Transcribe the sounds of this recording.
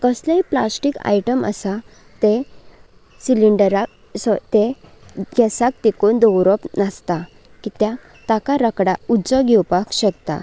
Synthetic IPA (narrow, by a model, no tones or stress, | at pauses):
kəsləiplasʈika̰jʈəmə̰sa | t̪e | siliɳɖəɾa | st̪e | ɡɛsak̚t̪ikond̪ɔwɾɔpnast̪a | kit̪jã | t̪akaɾəkɽaud͡zɔɡʱɛwpakɕək̚t̪a̰